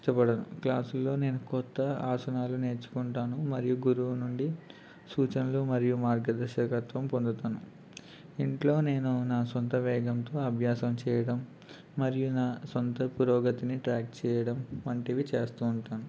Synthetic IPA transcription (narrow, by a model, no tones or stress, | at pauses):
ʈɐpɐɽɐnuklaːsulːo̞ːne̞ːnukɔt̪ːɐaːsɐnaːlune̞ːɾt͡ʃu̥kuɳʈaːnumɐɾijuɡuɾuʋunuɳɖi | suːt͡ʃɐnɐlumɐɾijumaːɾɡɐd̪ɐɾʃɐkɐt̪ʋɐmpond̪ɐt̪aːnu | iɳʈlo̞ːne̞ːnunaːsont̪ɐʋɛːɡɐmt̪o̞ːɐbʱjaːsɐmt͡ʃɛːjɐɽɐmː | ɐɾijunaːsont̪ɐpuɾɔːɡɐt̪iniʈɾaːk̚t͡ʃɛːjɐɽɐmɐɳʈeːʋit͡ʃe̞ːst̪uːɳʈaːnu